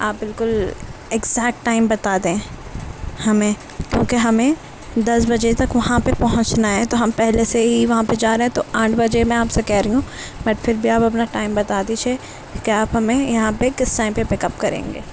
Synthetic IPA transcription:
aːp̚bɪlkʊlɪɡzɛːk̚ʈːaːɪmbɐt̪aːd̪ẽ | hɐmẽː | kjõːkeɦɐmẽ | d̪ɐsbɐd͡ʒet̪ɐkʋɐɦãpepɐɦʊ̃t͡ʃnaɦɛ̃t̪oɦɐmpɛɦleseɦiʋɐɦãped͡ʒaːɾeɦɛ̃t̪oʔãːʈʰbɐd͡ʒemẽaːpsekɛɦɾɐiɦũ | bɐʈfʰɪɾbʱiaːpɐpnaʈaːɪmbɐt̪aːd̪it͡ʃʰe | kiaːpɦɐmẽjɐɦãpekɪsːãːɪ̃mpepɪkɐpkɐɾḛ̃ːŋɡḛː

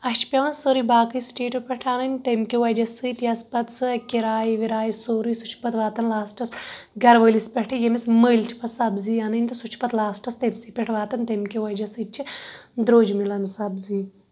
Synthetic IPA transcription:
ɐʃt͡ʃʰpʲɐʋɐnsoːɾɨbaːkɨjsʈeːʈupʲeʈʰaːnɨnʲt̪emkʲiʋɐd͡ʒɐsɨt̪iɐspɐt̪sɨkiɾaːjiʋiɾaːjisoːɾɨjsut͡ʃʰpɐt̪ʋaːt̪ɐnlaːsʈɐsɡɐɾʋəːlispʲeʈʰijemisməjlt͡ʃʰi̥pɐsɐbziːɐnɨnʲt̪ɨsut͡ʃʰpɐt̪laːsʈɐst̪emʲsipʲeʈʰʋaːt̪ɐnt̪emkiʋɐd͡ʒɐsɨt͡ʃʰid̪ɾoːd͡ʒmilɐnsɐbziː

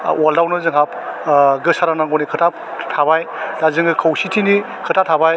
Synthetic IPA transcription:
waldawnɯzɯŋɦap̚ɡɯsaɾanaŋɡɔnikʰɯtʰaptʰabajlazɯŋɡɯkʰɯwsitʰini | kʰɯtʰatʰabaj

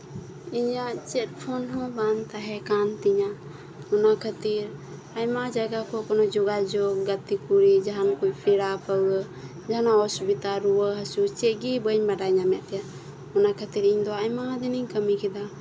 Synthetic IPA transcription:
iɲaʔt͡ʃɛt̪̚pʰɔnɦɔ̃bant̪aɦɛkant̪iɲa | ɔnakʰat̪iɾ | ajmad͡ʒaɡakɔkɔnɔd͡ʒɔɡad͡ʒɔɡ̚ːət̪ikuɾid͡ʒaɦankujpʰiɽapʰəwə | d͡ʒaɦanaɔsubit̪aɾuwəɦasut͡ʃɛɡibəɲbaɖaɲamɛt̪̚ɛja | ɔnakʰət̪iɾiɲd̪ɔajmad̪ɛniɲkəmikɛd̪a

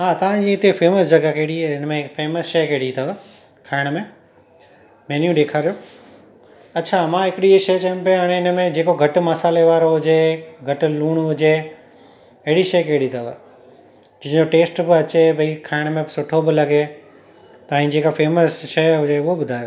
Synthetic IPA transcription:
ɦãːt̪ɐʋ̤ãd͡ʑiɪt̪efʰeːməsd͡ʑɐɡakeɪɽiɪnmẽkfʰeːməsʃɐjkeːɽit̪aʋa | kʰaːɪɽ̃mẽ | meːnjũɗeːkʰaːɾijo | ɐtːt͡ɕʰamãːɦɪkɪɽiʃɐjt͡ɕɐ̃ːmpijɐɽ̃eɪnə̆mẽd͡ʑeːkoɡʱɐʈ̆mɐsaːleʋaːɾoɦʊd͡ʑeɡʱɐʈ̆luːɽ̃ɦʊd͡ʑe | ɐɦɪɽiʃɐjkeːɽit̪aːʋa̰ | d͡ʑɐ̃ɦɪ̃ɲd͡ʑoʈeːsʈbɪɐt͡ɕebʱɐikʰaːɪɽ̃mẽsʊʈʰobɪlɐɡe | t̪ɐʋĩd͡ʑeːkafeːməsʃɐjɦʊd͡ʑeʊɦobʊd̪ʱaːjo

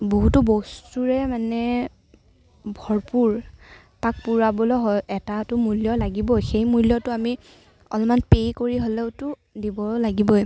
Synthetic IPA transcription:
boɦutʊbɔstuɹɛmanɛ | bʱɔɹpuɹ | pak̚puɹabɔlɔɦɔjɛtatʊmuljɔlaɡibɔxejmuljɔtʊami | ɔ̰lmanpejkoɹiɦolɛʊtʊ | dibɔlaɡibɔj

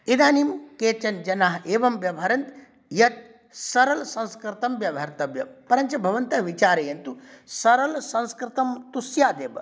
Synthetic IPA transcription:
id̪aːnimkeːt͡ʃɐnd͡ʒɐnaːɦeːʋɐmʋjɐbʱɐɾɐnt̪ | jɐt̪̚ | sɐɾɐlsɐ̃nskɾɪt̪ɐmʋjɐbʱɐɾt̪ɐbjɐpɐɾɐnt͡ʃɐbʱɐʋɐnt̪ɐʋit͡ʃaːɾɐjɐnt̪usɐɾɐlsɐ̃nskɾɪt̪ɐmt̪usjaːd̪eːbɐ

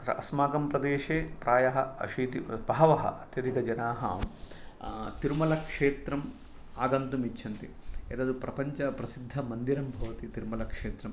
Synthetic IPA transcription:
ɐɐ̰smaːɡɐmpɾɐd̪eːʃeːpɾaːjɐɦɐɐ̰ʃiːt̪ibɐɦɐʋɐɦɐ̰ɐt̪jɐd̪ikɐd͡ʒɐnaːɦɐ̰m | t̪iɾumɐlɐkʂeːt̪ɾɐm | aːɡɐnt̪umit͡ʃːt͡ʃʰːɐnt̪i | ḛːd̪ɐd̪upɾɐpɐɲt͡ʃɐpɾɐsid̪ʱːɐmɐnd̪iɾɐmbʱɐʋɐt̪it̪iɾumɐlɐkʂeːt̪ɾɐm

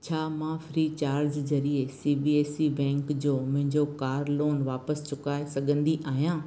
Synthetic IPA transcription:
t͡ɕʰaːmãfɾiːt͡ɕaːɾd͡ʑd͡ʑɐɾiesiːbiːeːsibɛ̃ːŋkd͡ʑoːmʊ̃ɦɪ̃ɲd͡ʑokaːɾloːnʋaːpəst͡ɕʊkaːesɐɠʱə̃nd̪iʔaːɦijãː

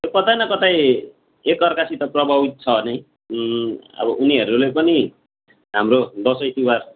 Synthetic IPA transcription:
jokʌt̪ajnʌkʌt̪aj | ekʌrkasit̪ʌprʌbabit̪̚t͡sʰʌʌne | ʌ̰bʌʔuniɦʌɾulepʌni | ɦamrod̪ʌsʌjt̪iwar

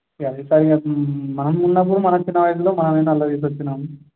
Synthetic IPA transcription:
ɐd̪eːsaːɾiɡamɐnɐmunːɐp̬ːuɽumɐnɐt͡ʃinːɐʋɐjɐs̬uloːmɐnɐmɐjnɐlːɐd̪iːs̬ɐt͡ʃːinaːmu

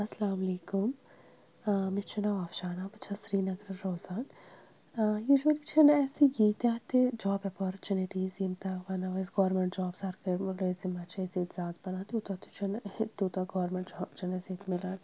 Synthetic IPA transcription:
ɐsɐlaːmɐleːkʊm | mɪt͡ʃʰɐnaʋaːfʃaːnabɐt͡ʃʰɐsɾiːnɐɡɾɐɾoːzaːn | juːʒuwɐlit͡ʃʰɐnɛːsiɡiːt̪aːt̪ed͡ʒaːbɾɐpoːɾt͡ʃunɪʈiːzimt̪aʋɐnɐʋɐsɡoːɾmẽɳʈd͡ʒaːbsɐɾkɐlozimɐt͡ʃʰɐzit̪zaːt̪bɐnaːt̪ut̪at̪u̥t͡ʃʰɐnt̪uːt̪aɡɔːɾmeɳʈd͡ʒɔːbt͡ʃɐnɐziːt̪mɪlaːn

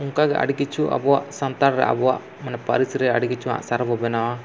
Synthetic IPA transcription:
uŋkaɡɛʔa̰ɖikit͡ʃʰuʔa̰bɔwaʔsant̪aɾɾɛ̰ʔa̰bɔwa̰ʔ | manɛpaɾisiɾɛaɖiɡit͡ʃʰuwa̰ʔsaɾbɔbɛnawa

